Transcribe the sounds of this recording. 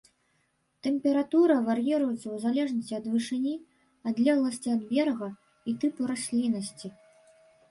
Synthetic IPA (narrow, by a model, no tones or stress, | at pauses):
t̪ɛmpʲɛɾat̪uɾɐvarjɛɾujut̪sʲɐwzalʲɛʐnɐsʲt͡sʲiɐd̪vɨʂɨnʲi | ɐd̪lʲɛɣlˠɐsʲt͡sʲiɐd̪bʲɛrɣɐ | it̪ɨpuɾasʲlʲinɐsʲt͡sʲi